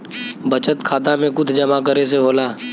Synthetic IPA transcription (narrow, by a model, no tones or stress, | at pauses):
bət͡ʃət̪kʰaːt̪amẽkʊd̪ʱd͡ʒɐmakəɾes̬eɦoːlaː